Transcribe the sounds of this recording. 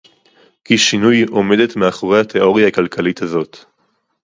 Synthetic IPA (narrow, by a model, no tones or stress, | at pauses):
kiʃinujo̞me̞d̪etmeaχo̞ʁehatʰeo̞ʁjaakalkʰalithazo̞t